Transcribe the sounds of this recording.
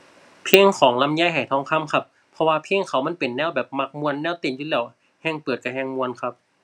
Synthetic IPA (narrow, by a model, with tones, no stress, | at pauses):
pʰiː˧˥˨ŋkʰɔː˩˦ŋla˧˥˨mjaː˧˥˨jɦa˧˩jt̪ʰɔː˧˥˨ŋkʰa˧˥˨mkʰa˧˥pʰːɔ˧waː˧pʰiː˧˥˨ŋkʰa˨˩˦wma˧˥˨npe˨˩nːɛː˧˩˨wbɛː˨˩p̚ma˧˩k̚mu˧ənːɛː˧˥˨wt̪eː˧˩˨njuː˧lɛː˧˩w | hɛː˧˩ŋpɤː˨˩t̪̚ka˧˩ɦɛː˧ŋmu˧ənkʰa˧˥p̚